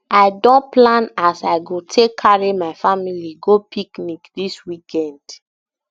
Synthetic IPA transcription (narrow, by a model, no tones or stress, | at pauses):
aɪdɔ̃nplãnasaɪɡotʰekʰːaɹimaɪfamiliɡopʰiknikdiswikʰɛ̃nd̥